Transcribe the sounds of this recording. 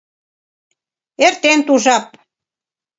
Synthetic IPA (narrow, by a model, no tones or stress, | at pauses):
eɾt̪ent̪uʒɑp̚